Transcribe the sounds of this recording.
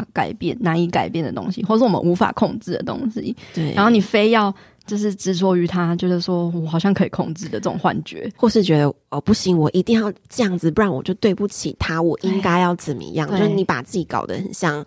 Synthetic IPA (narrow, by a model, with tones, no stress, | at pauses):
ka̰˨˩ɪpjɛ˥˩nna˧˥ni˧˥ka˨˩ɪpjɛ˥˩nd̪ə̰˨˩t̪o̰˦˥ŋɕḭ˧˦xwɔ˥˩˨ə˨ʂ̩˥˩wɔ˨mə̰˦nu˧˥fa̰˨˩kʰo˥˧ŋt͡sɹ̩˥˩d̪ə̰˩t̪o̰˥ŋɕḭ˦˥t̪we˥˩a̰˨˦nxo˥˩ni˨˩fe˥ɪjɑ˥˧ʊ | t͡ɕjo˥˧ʊʂ̬ɻ̩˥˩ʈ͡ʂɻ̩˧˥t͡sɔ˧˥y˧˥t̪ʰa˥t͡ɕɛ˧˥d̪ə˨ʂwɔ˥wɔ˨˩xɑ˨˩ʊɕjɑ˥˧ŋkʰɤ˧˥i˨˩kʰo˥˧ŋt͡sɹ̩˥˩d̪ə˩t͡sɤ˥˩ʈ͡ʂo̰˨˩ŋxwa̰˥˩nt͡ɕɥɛ̰˧˥˦xwɔ˥˧ʂɻ̩˥˩t͡ɕɥɛ˧˦˥d̪ə˧ə˧˩pu˥˩ɕi˧˥ŋwɔ˨˩ʔi˧˥t̪i˥˧ŋjɑ˥˧ʊʈ͡ʂɤ˥˧jɑ˥˩ŋd͡z̩˨˥ɑ˥˩wɔ̰˨˩t͡ɕjo˥˧ʊt̪we˥˧ɪpu˥˩t͡ɕʰḭ˨˩t̪ʰa˥wɔ˨˩ʔi˦ŋka˥ɪjɑ˥˩ʊt͡sə˨˩nmə̰˨ḭ˧jɑ˥˨ŋt͡ɕo˥˧ʂɻ̩˥˩ni˧˥pa̰˨˩t͡sɹ̩˥˩t͡ɕi˧˥kɑ̰˨˩ʊd̪ə̰˦ḭ˨nɕjɑ˥˩ŋ